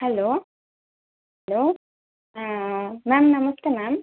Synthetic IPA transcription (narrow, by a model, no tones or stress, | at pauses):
hɛloː | hɛloː | mɛːmnɐmɐsʈ̪emaːm